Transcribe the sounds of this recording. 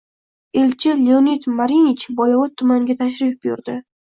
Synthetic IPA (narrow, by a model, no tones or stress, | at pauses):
elt͡ʃʰɪleonit̪maɾinit͡ʃbɒjɒvɒt̪ʰːʊmaŋɡʲat̪ʰaʃ̬ɾɪfbjʊɾd̪ɪ